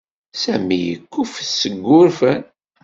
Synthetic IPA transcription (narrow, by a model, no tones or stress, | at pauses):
sæ̰mijəkːufθsəɡʷːʊɾfən